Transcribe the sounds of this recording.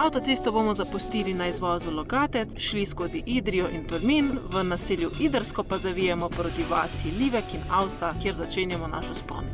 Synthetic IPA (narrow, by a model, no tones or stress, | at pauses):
awt̪ɔt̪sest̪ɔbomɔzapust̪iːlinaizʋɔzulɔɡaːt̪ɛt̪sʃliskoːziʔid̪ɾijɔʔint̪uɾminʋənaseːljuʔid̪əɾskɔpazaʋijɛmɔpɾoːt̪iʋa̰ːsiliʋɛkinawsakjeɾzat͡ʃeːnjɛmɔna̰ʃɔspɔ̰n